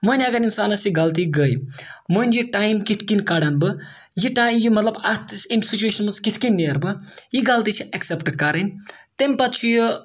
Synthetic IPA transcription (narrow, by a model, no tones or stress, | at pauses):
məniaɡɐninsaːnɐsjiɡɐlt̪̬iɡəjmonʲd͡ʒiʈajmkit̪ʰkinkaɽanbɨ | jiʈajmjimɐt̪lɐbat̪ʰsimsit͡ʃueːʃʰɐnmɐt͡skit̪ʰkinʲːiɐɾbɨjiɡɐlt̪it͡ʃʰiʔɐksepʈkɐɾɐnʲt̪emʲpat̪t͡ʃʰujo